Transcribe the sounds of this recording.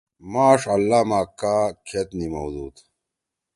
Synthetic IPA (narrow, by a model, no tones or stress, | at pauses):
maːʂɐlːaːmaːkaːkʰet̪nimɐwd̪uːt̪